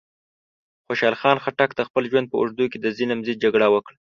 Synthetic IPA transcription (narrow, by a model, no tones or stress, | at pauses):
xoʃɑlxɑnxaʈakt̪axpəlʒwand̪̚pəʊ̰ʐd̪uked̪əzinamzid̪̚d͡ʒaɡɽawəkɽa